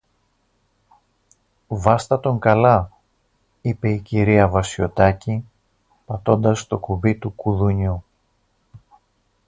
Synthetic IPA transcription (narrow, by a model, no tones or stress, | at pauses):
vɐst̪ɐt̪o̞ŋkɐlɐ | ipe̞iciɾiɐvɐsio̞t̪ɐci | pɐt̪o̞nd̪ɐst̪o̞kuvit̪ukuðuɲu